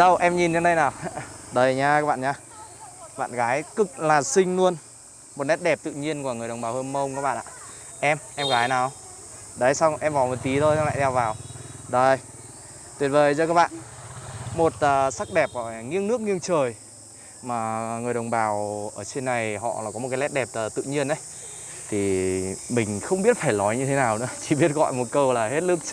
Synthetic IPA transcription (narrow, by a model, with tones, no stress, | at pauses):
ɗə˧wʔɛ˧mɲi˨˩nɲa˨˧ŋnɗə˧jnaː˨˩wɗə˨˧˩jɲaː˧kaː˦˥ɓa̰ː˧˨ɲaː˧ | ɓa̰ː˧˨nɣaː˨˦jkɨ˨˩k̚laː˨˩sï˧ŋ̟lu˧ən | mo˨˩t̚nɛ˦˥t̚ɗɛ˨˩p̚t̪ɨ̰˧˨ɲi˧ənku˧˩˨ŋɨ˨˩əjə˨˩wŋ͡mɓaː˨˩whə˧nmə˧wŋ͡mkaː˧˦˥k̚ɓ̰ːʔa̰ː˧ | ʔɛ˧mʔɛ˧mɣaː˨˦jnaː˨˩ | ɗə˧˦jsa˧wŋ͡mʔɛ˧mvaː˨˩wmə˨˩t̪i˨˦t̪ʰo˧ja˧a̰ː˧˨t̪ʰɛ˧wvaː˨˩wɗə˧˩j | t̪wi˨˩ət̚ve˨˩jzɔː˧kaː˦˥k̚ɓa̰ː˧˨n | mo˨˩t̚əː˨˩sa˦˥k̚ɗɛ˨˩p̚ʔəː˨˩˨ŋi˧ənɨ˦˥ək̚ŋi˧əŋt͡ɕəː˨˩j | maː˨˩ŋɨ˨˩əjɗə˨˩wŋ͡mɓaː˨˩wʔəː˧˩t͡ɕe˧nːa˨˩jhɔ̰˧˨laː˨˩kɔ˨˦mo˨˩tka˨˦lɛ˦˥ɗɛ˨˩p̚əː˨˩t̪ɨ̰˧˨ɲi˧ənʔə˨˦jt̪ʰi˨˩mï˨˩ŋ̟xə˧wŋ͡mɓi˦˥ət̚faː˧˩jlɔ˨˦jɲɨ˧t̪ʰe˨˦naː˨˩wnɨ̰˧˥ət͡ɕi̥˧˩ɓi˦˥ət̚ɣɔ̰˧˨jmo˨˩t̚kə˧wlaː˨˩he˦˥t̚lɨ˦˥k̚